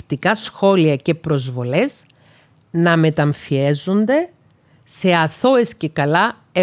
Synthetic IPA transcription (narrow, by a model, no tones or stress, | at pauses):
t̪ikɐsxo̞liɐce̞pɾo̞zvo̞le̞z | nɐme̞t̪ɐɱfie̞zond̪e̞ | se̞ɐθoe̞sce̞kɐlɐ | e